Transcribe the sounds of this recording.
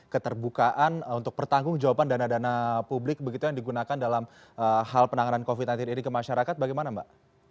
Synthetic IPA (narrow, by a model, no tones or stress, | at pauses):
kət̪ərbukaʔanunt̪ʊk̚pərt̪aŋɡʊŋd͡ʒawapandanadanapublɪk̚bəɡit̪ujaŋdiɡunakandalam | əhalpənaŋanankofit̪̚nant̪ininikəmaʃaɾakat̪̚baɡajmanamba̰ʔ